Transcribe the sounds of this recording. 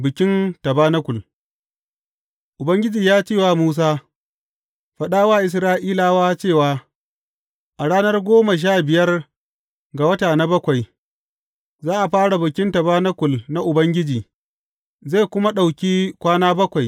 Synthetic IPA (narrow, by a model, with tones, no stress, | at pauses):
bɪ˨kʲɪ˦ntɐ˨baː˦nɐ˦kʷʊ˨l | ʔʊ˨bɐ˦ŋɡʲɪ˦d͡ʒiː˨jaː˦t͡ʃeː˦˨waː˦muː˦s̬aː˦ | ɸɐ˨ɗaː˦waː˦ʔɪ˨s̬ɾaː˦ʔiː˦laː˨waː˦t͡ʃeː˦˨waː˦ | ʔa˨ɽaː˦nɐ˦rɡʷoː˦ma˨ʃ̬aː˦˨bɪ˨jɐ˦r | ɡa˨wɐ˦taː˨na˦bɐ˦kʷa˨j | zaː˦ʔa˨ɸaː˦ɽa˨bɪ˨kʲɪ˦ntɐ˨baː˦na˦kʷʊ˨lna˦ʔʊ˨bɐ˦ŋɡʲɪ˦d͡ʒiː˨ | za˦˨kʷʊ˦ma˦ɗa˨wkʲiː˦kʷaː˦naː˦bɐ˦kʷa˨j